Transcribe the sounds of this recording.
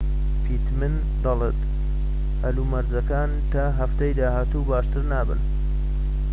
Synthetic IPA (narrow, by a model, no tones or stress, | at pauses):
pʰit̪mɨn | d̪ɑlˠet̪ | hɐlumɐɾzɐkaːn | t̪aɦɐft̪ɐjd̪aːɦaːt̪ubaːʃt̪ɨɾnaːbɨ̰n